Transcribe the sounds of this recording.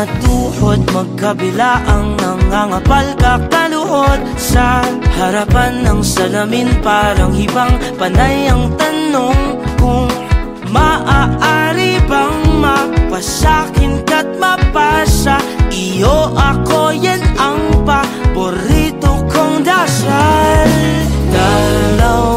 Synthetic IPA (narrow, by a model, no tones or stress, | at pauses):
ɐt̪uːhod̪̚mɐɡ̚kɐbɪlaʔɐŋnɐŋaŋɐpalkak̚t̪ɐlʊhod̪̚ | sɐhɐɾapanːɐŋsɐlaminpaːɾɐŋɪbaŋ | pɐnajɐŋt̪ɐnoŋkʊŋ | mɐʔaʔaɾibɐŋmɐpɐsakɪnkɐt̪̚mɐpasɐʔɪjoʔɐkojɐnɐŋpapoɾit̪okoŋd̪asal | dala